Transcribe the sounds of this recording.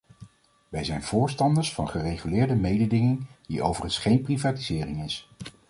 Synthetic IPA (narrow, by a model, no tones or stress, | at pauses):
ʋɛjzɛjnv̥ʊːɹstɑndəɹsfɑnχərejχylɪːɹdəmejdədɪŋɪŋd̥iʔowvərənsχejnprivaːtizɪːrɪŋɪs